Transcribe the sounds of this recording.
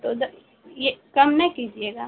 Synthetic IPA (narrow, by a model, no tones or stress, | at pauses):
t̪od̪ɐ | jekɐmnɐkid͡ʒieːɡaː